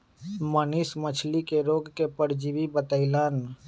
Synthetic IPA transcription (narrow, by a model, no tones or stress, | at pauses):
mənismət͡ʃʰlikeɾoːɡkepəɽd͡ʒiʋibət̪əɪlaːn